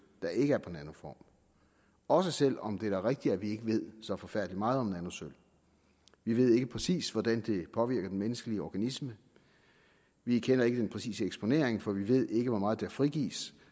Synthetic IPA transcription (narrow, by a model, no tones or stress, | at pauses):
d̥ɑ̈ʔe̝ɡ̥əæɐpʰɒ̽enænfɒ̰ːm | ɒ̽səsel̰ɒ̽md̥e̝æɐʁeɡ̥̚d̥iæʋie̝ɡ̥əʋe̝ð̞̰ˠsɒfɒ̽fæɐ̰d̥əlimɑ̈ːð̞̩ˠɒ̽menænosøl | ʋiʋe̝ð̞̰ˠe̝ɡ̥əpʰʁɛsḭːsʋɒd̥ænd̥e̝pʰɒ̽ʋiɐ̰ɡ̥ɐd̥enmenəsɡ̥əliəɒɡ̥ænismə | ʋikʰen̰ɐe̝ɡ̥əd̥enpʰʁɛsḭːsəeɡ̥sb̥o̝ne̝̰ɐeŋfɒ̽ʋiʋe̝ð̞̰ˠe̝ɡ̥əʋɒmɑ̈ːð̩ˠd̥eæɐfʁiɡ̥ḭːs